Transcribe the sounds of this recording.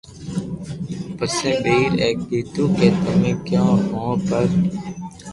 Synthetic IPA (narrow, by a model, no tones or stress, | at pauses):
pəsẽːbeːɾeːk̚d̪eːt̪uːkeːt̪əmẽːkjãːɦõːpəɾ